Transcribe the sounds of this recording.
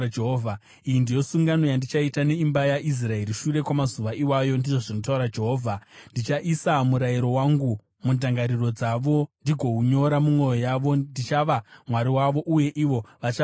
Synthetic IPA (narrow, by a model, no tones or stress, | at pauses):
eɦːvʱa | ijindijo̞suŋɡano̞jandit͡ʃaitane̞imbajaʔis̬rae̞ɾiʃure̞kwamazuʋaʔiwajo̞ndiʐoʐino̞tauɾad͡ʒe̞ɦoːvʱandit͡ʃaʔisamuɾajiɾo̞waŋɡu | mundaŋɡaɾiro̞d͡zaʋo̞ndiɡʱo̞ɦuɲo̞ɾamumwo̞jo̞jaʋo̞ndit͡ʃaʋamwaɾiwaʋo̞ʔuje̞ʔiʋo̞ʋat͡ʃa